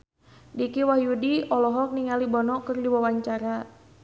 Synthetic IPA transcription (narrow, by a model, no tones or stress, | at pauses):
dikiwahjudiʔɔlɔɦɔk̚niŋalibɔnɔkərdiwawaɲt͡ʃaɾa